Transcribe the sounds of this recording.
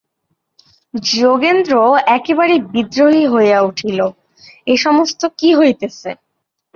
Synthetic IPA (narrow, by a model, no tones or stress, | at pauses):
d͡ʑoɡend̪ɾoɛkebaɾebid̪ɾoɦiɦoejauʈʰilo | eʃɔmost̪okiɦojt̪et͡ɕʰḛ